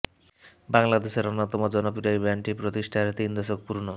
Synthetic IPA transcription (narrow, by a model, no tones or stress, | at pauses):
baŋlad̪eʃeɾonːot̪ɔmod͡ʑɔnopiɾajbɛɳʈipɾot̪iʃʈʰaet̪ind̪eʃok̚puɾno